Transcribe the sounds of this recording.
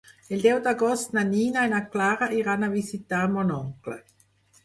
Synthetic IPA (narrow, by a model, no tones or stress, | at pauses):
eld̪ɛwd̪aɡɔst̪naniːnaenaklaːɾaʔiɾanavisit̪amɔnɔŋklə̰